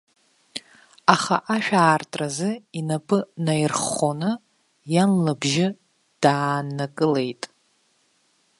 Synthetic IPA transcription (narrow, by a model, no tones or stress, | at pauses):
aχa̰ʔaʃᶣaːrtʼrazɨinapʰʼɨnajrχonɨ | janlabʒɪ | d̥aːnːakʼɨle̞jtʼ